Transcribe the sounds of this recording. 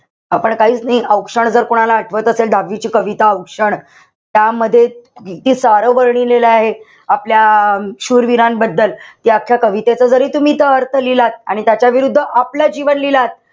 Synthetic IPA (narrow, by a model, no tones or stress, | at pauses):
apəɳkaɦiːt͡snaɦiʔəwkʂəɳd͡zəɾkoɽ̃alaːʈʰʋət̪əseld̪ʱaʋːit͡ɕiːkəʋit̪aəwkʂəɳ | t̪jaməd̪ʱːjet̪iːsaɾəʋəɾɳ̃ileleaɦe | apljaɕuːɾʋiɾanbəd̪ːəlt̪iːakʰːjakəʋit̪et͡səd͡zəɾiːt̪um̤iːt̪əəɾt̪ʰəlilat̪̚aɽ̃it̪jat͡ɕjaʋiɾud̪ʱːəʔaplad͡ʑiʋənlilat̪̚